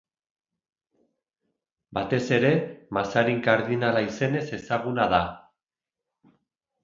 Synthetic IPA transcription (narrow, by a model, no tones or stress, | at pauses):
bat̪e̞se̞ɾe̞masaɾiŋkaɾðinalaise̞ne̞se̞saɣ̞unað̞a